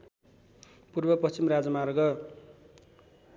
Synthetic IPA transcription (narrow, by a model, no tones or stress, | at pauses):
purbʌpʌst͡ɕimrad͡zʌmaɾɡʌ